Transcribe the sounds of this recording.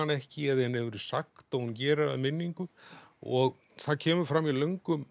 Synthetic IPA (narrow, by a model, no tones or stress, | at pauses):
anɛhcɪɛðɛnhɛvʏɾʏsakt̪aðhuncɛːɾɪa̰ðmɪnːiŋkʏɔɣ | θaðcʰɛːmʏɾfɾamːilœŋkʏm